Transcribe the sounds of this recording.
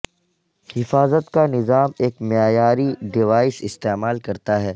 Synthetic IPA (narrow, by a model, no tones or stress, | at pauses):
hɪfaːzət̪kanɪzaːmeːkmɪjaːjaːɾiɖɪʋaːɪsɪst̪eːmaːlkɐɾt̪aɦɛː